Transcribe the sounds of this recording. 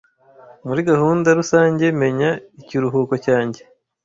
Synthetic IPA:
muɾiɡahuːndaɾusaːɲɟe̞me̞ɲaiciɾuɦuːko̞caːɲɟe̞

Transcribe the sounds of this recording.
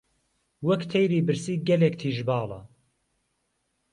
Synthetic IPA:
wɐkt̪ʰejɾiːbɨɾsiːɡɐlek̚t̪ʰiːʒbɑːlˠɐ̰

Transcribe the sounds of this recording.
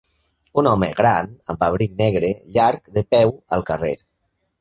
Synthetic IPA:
unɔmə̰ɣɾanə̰mbaβɾiknɛɣɾeʎaɾkðəpɛwə̰lˠkərḛ

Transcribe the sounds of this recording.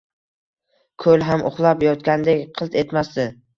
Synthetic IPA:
kʰɵlɦamʔʊ̰χlˠapjɒt̪kʲand̪ekʲqʰɨlˠt̪ʰe̞t̪masd̪ɪ

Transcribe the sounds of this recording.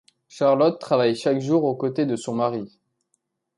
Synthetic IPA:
ʃaʁlɔt̪ːχavajʃakʒuʁokot̪ed̪əsɔ̃maʁi

